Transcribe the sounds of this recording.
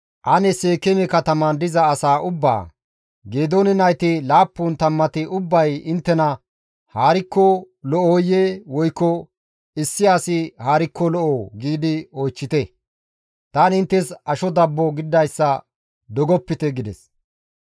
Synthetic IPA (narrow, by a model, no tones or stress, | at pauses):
ʔɐnɛseːkɛmɛkɐt̪ɐmɐnd̪ɪzɐːsaːʔʊbːa̰ː | ɡeːd̪oːnɪnɐjt̪ɪlaːpːuːnt̪ɐmːɐt̪ɪʔʊbːɐjɪnt̪ːɛnɐ | haːɾɪkːɔ | lɔʔoːjewɔjkːɔ | ɪsːɪaːsɪhaːɾɪkːɔlɔʔoːɡiːd̪ɪojt͡ʃːɪt̪ɛ | t̪aːnɪnt̪ːɛsɐʃɔd̪ɐbːɔɡɪd̪ːɐjsːɐ | d̪ɔɡɔpːɪt̪ɛɡɪd̪ɛ̰s